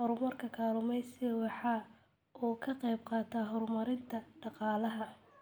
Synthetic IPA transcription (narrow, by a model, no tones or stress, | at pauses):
hɔrmɐrkʰɐkʰaːlʊmɛjsɪwɑħɑ | uːkʰɐqɛjb̚qɑːt̪ʰaɦɔrmɐɾɪnt̪ʰɐɖɑqɑːlɐɦɐ